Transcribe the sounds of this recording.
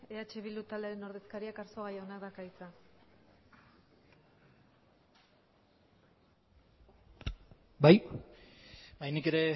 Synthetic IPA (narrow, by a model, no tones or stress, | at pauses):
eat͡ʃe̞βilut̪aleɾeno̞ɾðe̞skaɾiakaɾsoɣ̞ajaonakd̪akajt͡sa | baj | bajnike̞ɾe̞